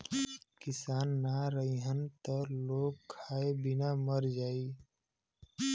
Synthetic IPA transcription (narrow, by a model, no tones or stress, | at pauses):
kɪsaːnːaɾəiɦənt̪əloːɡkʰaːebɪnaməɾd͡ʒaːi